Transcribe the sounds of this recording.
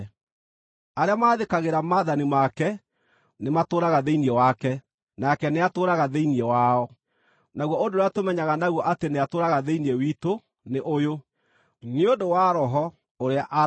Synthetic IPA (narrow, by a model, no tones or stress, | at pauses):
aɾeamaːðekaɣeɾamaːðanimakɛ | nematoːɾaɣaðeiniɛwakɛ | nakɛneatoːɾaɣaðeiniɛwaɔ | naɣwɔondoɾeatomɛɲaɣanaɣwɔʔateneatoːɾaɣaðeiniɛwiːto | neʔojo | neodowaɾɔɦɔ | oɾeaʔa